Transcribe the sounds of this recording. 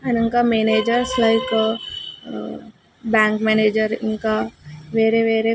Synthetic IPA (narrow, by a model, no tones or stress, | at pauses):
ɛ̃nɪnkameneːd͡ʒəɾslaɪkə | bãːŋkmɛneːd͡ʒəɾɪ̰nkaʋeːɾeʋeːɾe